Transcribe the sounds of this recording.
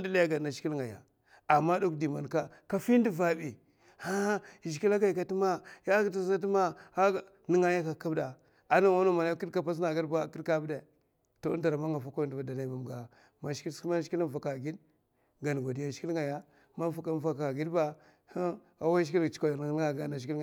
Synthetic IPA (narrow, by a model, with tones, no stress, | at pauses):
ndi˦la˦ja˦ɡa˨a˨ʃki˦lŋa˨ja̰˨ | a˨ma˦do˦kdi˨ma˨nka˦ka˦fi˦n˦di˦va˨bi˨ | ha˦˨ʃi˨ki˦la˦ɡa˨ka˨ti˦ma˦ja˦ɡta˦a˦t̬i˦ma˦a˦˨ | ni˦ŋa˦ja˦ka˨˦ka˦bda˨ | a˨na˦wa˦no˦ma˨na˦ki˦ka˦pa˦s̬na˨ɡi˦dba˦˨ki˦ka˦bde˨ | to˦˨˦n˦da˨ɾa˨ma˦ŋa˨fa˦ko˦˨ndba˨da˨na˨ma˨m˨ɡa˨ | ma˨ʃma˦ʃki˦la˦˨fa˨ka˨ɡi˦d | ɡa˨n˨ɡa˨di˨ja˨ʃki˦lŋa˨ja˦ | ma˦n˦fa˨˦ka˦˨va˨ka˨ɡi˦dba˦ | ha˦ | a˨˦wa˦ʃki˦lt͡ʃka˨ja˨n˨˦a˦˨ɡa˦na˨ʃki˦l